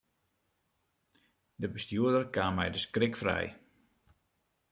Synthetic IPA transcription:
dəbəstjuədərkaːmːɛjdəskrɪkfrɛ̰j

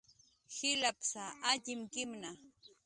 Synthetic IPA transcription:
hɪlapsaʔaʎɪmkɪmna

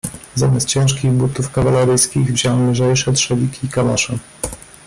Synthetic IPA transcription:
zamʲjast̪t͡ɕɛ̃w̃ʂkʲiɣbut̪ufkavalɛɾɘjskʲiɣvʑawɛmlɘʐɛjʂɛtʂɛvʲikʲiːkama̰ʂɘ

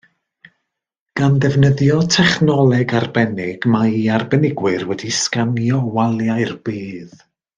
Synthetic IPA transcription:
ɡ̥andɛvnəðjɔtʰɛχnɔlˠɛɡarbɛnɪɡ̥maiarbɛnɪɡwɪɨrwɛdiskanjɔwalˠjairb̥iːð

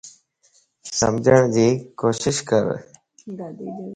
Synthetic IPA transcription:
sə̰md͡ʒʱəɳ̃d͡ʑiːkoːʃɪʃkə̰ɾ

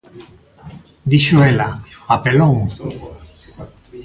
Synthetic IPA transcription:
d̪iʃuelaapeloŋ

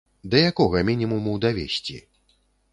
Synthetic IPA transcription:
d̪ɐjakɔɣɐmʲinʲimumud̪avʲesʲt͡sʲḭ

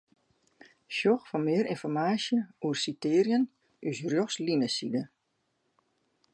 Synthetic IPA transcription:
ʃjɔxfɔnmɪəɾinfɔrmaːsjəuərsitɪːrjən | ʔysrjoxslinəsidə

